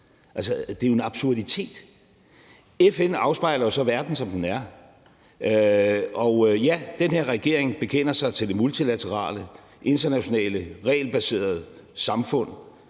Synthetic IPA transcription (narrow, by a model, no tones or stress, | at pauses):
ʔælsəd̥e̝jo̝enɑ̈b̥suɐdit͡sʰe̝̰ːd̥ | efenɑ̈ʊsb̥ɑ̈ɪlɐjo̝sɒ̽ʋæɐd̥n̩sɒ̽md̥enæɐ | øɒ̽jæd̥enhe̝ɐʁɛɡ̥e̝ɐ̰eŋb̥e̝kʰen̰ɐsɑ̈ɪt͡sʰe̝ld̥e̝mult͡sʰilæt͡sʰəʁɑ̰̈ːlə | ʔe̝nd̥ɐnæɕo̝nɛ̰ːləʁɛ̰ːlb̥æse̝̰ːɐð̞̩ˠəsɑ̈mfɔ̽n̰